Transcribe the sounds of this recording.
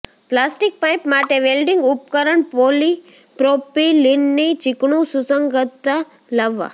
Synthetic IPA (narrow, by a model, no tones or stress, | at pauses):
plasʈɪk̚pajpmaʈeʋelɖɪŋɡʊp̚kəɾəɳpoli | pɾopilɪnːit͡ʃɪkɳũsusəŋɡət̪ːa | ləʋːa̰